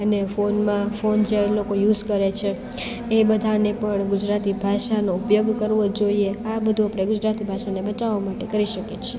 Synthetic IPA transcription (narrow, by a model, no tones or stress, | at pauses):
ənefonmãfond͡ʒelokojuzkəɾet͡ʃʰeː | bəd̪ʱanepəɳɡud͡ʒɾat̪ibʱaʃanoupjoɡkəɾʋod͡ʒoieabəd̪ʱuapɽ̃eɡud͡ʒɾat̪ibʱaʃanebət͡ʃaʋomaʈekəɾiʃəket͡ʃʰe